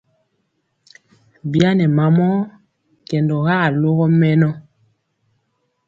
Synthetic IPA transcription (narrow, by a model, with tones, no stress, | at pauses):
bja˦nɛ˨ma˨mɔ˦ | kɛ˨ndɔ˨ɣa˦˨lo˦ɣɔ˦mɛ˦nɔ˦